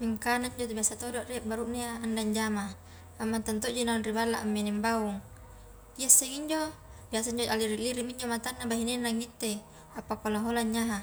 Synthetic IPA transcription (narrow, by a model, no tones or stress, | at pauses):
miŋkanaiɲd͡ʒot̪̬obiasat̪oduaʔrieʔbaɾuʔneaːndaɲd͡ʒama | amːant̪ant̪oʔd͡ʒoinaunribalːaʔamːenɛmbauŋ | iasːeŋiɲd͡ʒo | biasaiɲd͡ʒoalːiɾiʔliɾiʔmiɲd͡ʒomat̪anːabaɦinenːaŋit̪ːe | apːakalaɦolaɲːaɦa